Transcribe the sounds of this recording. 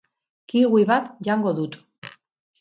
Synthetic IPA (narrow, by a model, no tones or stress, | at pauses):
kiɣuiβat̪ʝaŋɡo̞ðut̪